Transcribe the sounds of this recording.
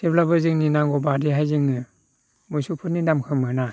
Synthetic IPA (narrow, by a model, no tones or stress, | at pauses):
d̥eblapɯzɯŋninaŋɡɔbadiɦajzɯŋnɯ | mɯjsupʰɯtninamkʰɯmɯna